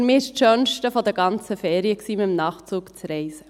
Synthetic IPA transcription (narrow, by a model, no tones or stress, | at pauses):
mɪːɪʃʃœnʃtəfɔd̪ɛɾɡɑnt͡səfɛːɾiəksiːmɪmnɑːχt͡suːkt͡sɾɛɪsə